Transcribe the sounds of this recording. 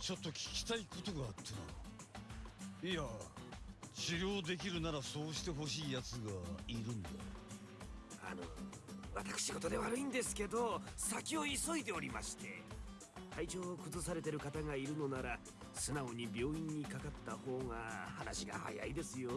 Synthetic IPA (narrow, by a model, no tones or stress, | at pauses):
t͡ɕo̞t̪ːo̞kʲi̥kʲi̥t̪aikot̪o̞ɡaːt̪ʰːena | ia | t͡ɕiɾʲjo̞ːd̪e̞k̬ʲiɾɯ̟naɾaso̞ːɕi̥t̪e̞ɦo̞ɕiːjat͡sɨɡaiɾɯ̟̃nd̪a | a̰no̞̰βat̪ḁkɯ̥ɕiɡo̞t̪o̞d̪e̞βaɾɯ̟ĩnd̪e̞sɨ̥ke̞d̪o̞sakʲio̞iso̞id̪e̞o̞ɾʲima̰ɕi̥t̪e̞ | t̪ʰait͡ɕo̞ːkɯ̟zɨsaɾe̞t̪e̞ɾɯ̟kat̪aŋaiɾɯ̟no̞naɾa | sɨnaoɲ̟ibʲo̞ːĩɲ̟ːikakat̪ːaho̞ːŋahanaɕiɡa̰ha̰ja̰id̪e̞sɨjo̞